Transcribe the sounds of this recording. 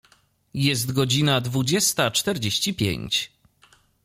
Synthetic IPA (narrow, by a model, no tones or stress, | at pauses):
jɛst̪ɡɔd͡ʑinad̪vud͡ʑɛst̪at͡ʂt̪ɛɾd͡ʑeɕt͡ɕipʲjḛɲt͡ɕ